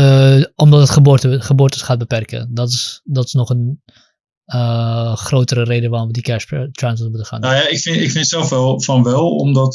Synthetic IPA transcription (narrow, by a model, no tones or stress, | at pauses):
ɔmdɔtətχəbotəχəbʊːrtəsχaːt̚bəpɛrkə̰dɔtɪsdɔtɪ̥snɔχən | əχrowtəɾərejdəʋaːrɔmʋədikɛstrajnsəmutəχa̰ːnnajaɪkfɪnɪkfɪntsɛlˠfʋɛlˠfɑnʋɛlˠɔ̰mdɔt